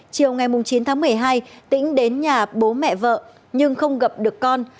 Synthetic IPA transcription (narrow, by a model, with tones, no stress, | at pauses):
t͡ɕi˨˩əwŋa˨˩jmʊ˨˩ŋ͡mt͡ɕi˨˦nt̪ʰaː˨˦ŋmɨ˨˩əjɦaː˧jt̪ḭ̈˧˥ŋ̟ɗe˨˦nɲaː˨˩ɓo˨˦mɛ̰˧˨və̰ː˧˨ | ɲɨ˧ŋxə˧wŋ͡mɣə˨˩p̚ɗɨ˨˩əkːɔ˧n